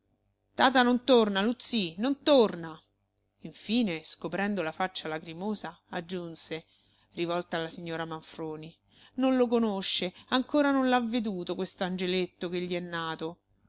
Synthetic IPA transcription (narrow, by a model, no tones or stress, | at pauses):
t̪aːt̪anont̪ornalut̪sːinont̪orna | iɱfiːneskopɾɛnd̪olafat͡ʃːalakɾimoːzaad͡ʒːunse | rivɔlt̪aːlːasiɲːoːɾamaɱfɾoːni | nonlokonoʃːeaŋkoːɾanonlavːed̪uːt̪okwest̪oand͡ʒelet̪ːokeʎːiɛnːaːt̪o